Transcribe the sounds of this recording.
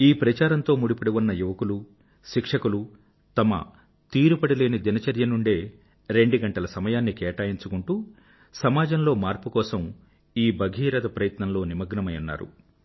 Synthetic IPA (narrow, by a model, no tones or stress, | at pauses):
iːpɾɐt͡ʃaːɾɐnt̪o̞ːmuɽipɐɽiʋunːɐjuʋɐkulu | ʃikʂɐkulu | t̪ɐmɐ̰ | t̪iːɾupɐɽile̞ːnid̪inɐt͡ʃɐɾjɐnuɳɖeː | ɾe̞ɳɖuɡɐɳʈɐlɐsɐmɐjaːnːikɛːʈaːjiɲt͡ʃukuɳʈuː | sɐmaːd͡ʒɐmlo̞ːmaːɾpukɔːsɐm | iːbɐɡʱiːɾɐd̪ɐpɾɐjɐt̪nɐmlo̞ːnimɐɡnɐmɐjunːa̰ːɾṵ